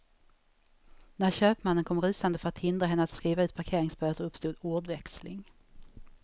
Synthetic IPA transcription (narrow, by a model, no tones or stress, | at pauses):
næɾɕøːpmanːənkʰɔmɾʉ̟ːsand̪əfœɾat̪hɪnd̪ɾaɦɛnːəat̪skɾiːvaʉt̪pʰaɾkʰeːɾɪŋsbœːt̪əɾɵpst̪uːd̪uːɖvɛkslɪ̰ŋ